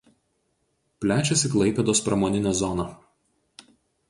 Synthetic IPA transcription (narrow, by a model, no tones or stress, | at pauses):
pʲlʲæːt͡ʃʲɛsʲiklˠɐɪpʲɛd̪oːspɾɐmoːnʲɪnʲæːzɔnɐ